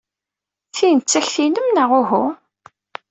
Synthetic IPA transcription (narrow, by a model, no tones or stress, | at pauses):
θint͡sːæçθinəmnəʁʊɦʊ